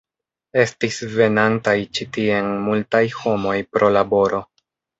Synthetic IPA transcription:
e̞stisve̞nantajt͡ʃitie̞nmultajho̞mo̞jpɾo̞labo̞ɾo̞

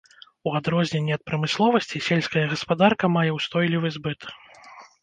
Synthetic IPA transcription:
uad̪ɾɔzʲnʲenʲːiɐt̪̚pɾɐmɨslˠɔvɐsʲt͡sʲisʲelʲsʲkɐjɐɣɐspad̪arkɐmajɛwst̪ɔjlʲivɨzbɨt̪

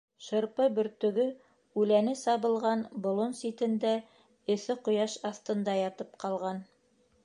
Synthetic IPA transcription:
ʃɤ̆ɾpɤbɵ̆ɾt̪ɵ̆ɡɵ | ʉlænɘsɑβɤ̆lˠʁɑnbŏlˠonsit̪ɘ̆nd̪æ | ɘ̆θɘqŏjɑʃɑθt̪ɤ̆nd̪ɑjɑt̪ɤp̚qɑlˠʁɑn

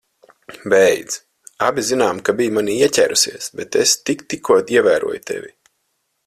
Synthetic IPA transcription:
bɛjd̪z̥ | abʲizinaːmkabijmanʲiiɛcʲæːɾʔusiɛsbɛt̪est̪ikt̪ikʰuɔt̪iɛvæːɾṵɔjut̪ʰɛ̰vʲi

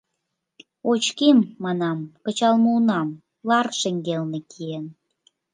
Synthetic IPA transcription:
ot͡ɕkimːɑnɑmkə̆t͡ɕɑlmuunɑm | lɑrʃeŋɡelnĕkʰien

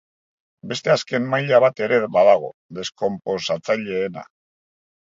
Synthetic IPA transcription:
be̞st̪e̞aske̞mːajʎaβ̞at̪e̞ɾe̞βaðaɣ̞o̞d̪e̞sko̞mpo̞sat͡saʎe̞ːna̰

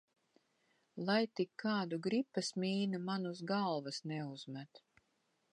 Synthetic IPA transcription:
lˠajt̪ikʰːaːd̪uɡɾipːasmʲiːnamanusɡalˠvasnɛuzmæt̪

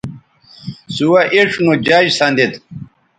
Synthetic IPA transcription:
suwɐʔeʂnod͡ʑaːd͡ʑsand̪it̪

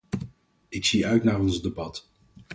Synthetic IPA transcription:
ɪksiœɥtnaːrɔnzdebɑt

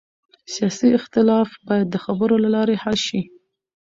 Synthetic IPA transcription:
sijɑsiɪxt̪ɪlɑfbɑjad̪ːəxabəɾolalɑɾehalʃi

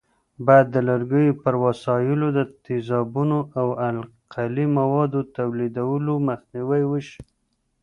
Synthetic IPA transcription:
bɑjad̪ːəlaɾɡəjopəɾwasɑjɪlod̪ət̪ɪzɑbunoʔawalqʰalimawɑd̪ot̪awlid̪awəloməxniwajwəʃi̥

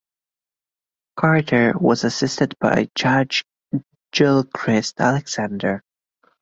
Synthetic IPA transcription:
kʰɑɹ̚tə˞wʌzɨsɪstɨd̚b̥a̰ɪd͡ʒɑd͡ʒ | d͡ʒɪlˠkʰɹ̥ɪstælˠɨɡz̥æ̃ndə˞

